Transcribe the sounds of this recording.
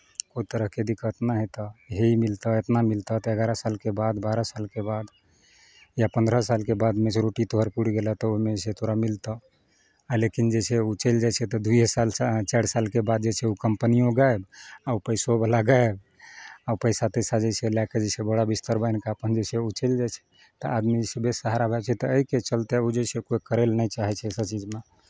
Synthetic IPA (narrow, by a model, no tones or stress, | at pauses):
koit̪əɾəɦked̪ikət̪naɦet̪əɦeimilt̪əet̪namilt̪ət̪əəɡaɾəsalkebad̪baɾəsalkebad̪ | japənd̪ɾəsalkebad̪meseɾoʈit̪oɦəɾpuɽ̤ɡelət̪ɔomeset̪oɾamilt̪ə | lekind͡ʒesʰeut͡ʃəld͡ʒat͡ʃʰɛt̪ɔd̪ujesalt͡ʃaɽsalkebad̪̚d͡ʒet͡ʃʰɛukəmpənijõɡaebaupəjsobəlaɡaeb | aupəɪsat̪esad͡ʒet͡ʃʰelaked͡ʒesʰebəɽabist̪əɾbəjnkaəpənd͡ʒesʰeut͡ʃəld͡ʒajt͡ʃʰɛ̥ | t̪əʔad̪mid͡ʒesebesəɦaɾabʱɛbt͡ʃʰɛt̪əːɦiket͡ʃəlt̪eud͡ʒesekojkəɾelnɛjt͡ʃaɦɛt͡ʃʰɛsəbt͡ʃid͡ʒme